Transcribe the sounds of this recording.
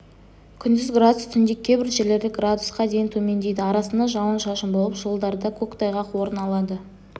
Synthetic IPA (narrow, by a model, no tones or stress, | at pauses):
kʲʰʏnd̪ɪzɡɾad̪ust̪ʰʏnd̪ekʲʰːe̞bɪɾʒele̞ɾd̪ɪɡrad̪usqɑd̪e̞jɪnt̪ʰɵme̞nd̪e̞jd̪ɪɑɾɑsənd̪ɑʒɑwənʃɑʃəmbo̞lˠəpʒolˠd̪ɑɾd̪ɑkʲʰɵkt̪ɑjʁɑqwo̞ɾənɑlˠɑd̪ə